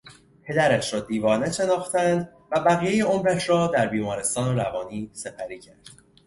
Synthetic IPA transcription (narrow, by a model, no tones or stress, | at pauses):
pʰe̞d̪æɾæʃɾɒːd̪iːvɒːne̞ʃe̞nɒːxt̪ænd̪ | væbæɣiːjejeomɾæʃɾɒːd̪æɾbiːmɒːɾe̞st̪ɒːnoɾævɒːniːse̞pʰæɾiːcʰæɾd̪̥